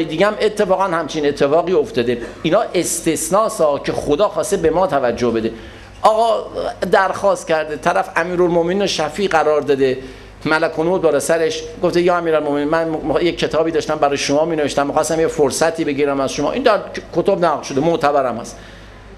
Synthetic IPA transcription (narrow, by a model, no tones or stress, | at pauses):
jed̪iːɡææme̞t̪ʰːe̞fɒːɣænhæmt͡ʃʰine̞t̪ʰːe̞fɒːɣiːo̞ft̪ɒːd̪einɒːʔe̞st̪e̞snɒːsɒːcʰe̞xod̪ɒːxɒːst̪ebe̞mɒːt̪ʰævæd͡ʒːohbe̞d̪e | ʔɒːɣɒːd̪æɾxɒːst̪cʰæɾd̪et̪ʰæɾæfæmiːɾolmoʔmeninoʃæfiːɢæɾɒːɾd̪ɒd̪e | mælækʰond̪̚bɒːɾesæɾeʃɡoft̪ejɒːæmiːɾælmome̞niːnmænmjeːe̞t̪ʰɒːbiːd̪ɒːʃt̪æmbæɾɒːjeʃomɒːmiːneve̞ʃt̪æmːixɒst̪æmjefoɾsæt̪ʰiːbe̞ɟiːɾæmæzʃomɒ̰ːʔind̪æɾkʰo̞t̪ʰobnæɣlʃo̞d̪emoʔt̪ʰæbæɾæmhæs